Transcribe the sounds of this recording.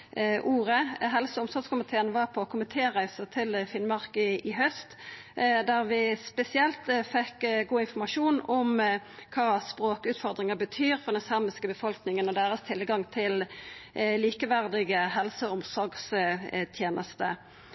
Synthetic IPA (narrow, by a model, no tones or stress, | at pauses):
ʔuːʁəɦɛlsəʊmsɔɾɡskʊmɪt̪ʰeːənʋɑʁpʰɔkʰʊmɪt̪ʰeːʁæɪsət̪ʰɪlfɪnmɑʁkəɪɦœst̪ | d̪æʁʋɪspɛsɪɛlt̪fɛkːɡuːɪnfɔɾmɑʂuːnɔmkʰɑːspɾoːkʉːt̪fɔʁd̪ʁɪŋəbət̪ʰyːɾfɔɾd̪ɛnsɑʁmɪskəbəfɔlknɪŋənɔd̪eːɾəst̪ʰɪlɡɑŋt̪ʰɪl | liːkəʋæʁd̪ɪɡəhɛlsəʊmsɔɾɡst̪ʰjeːnʔəst̪ə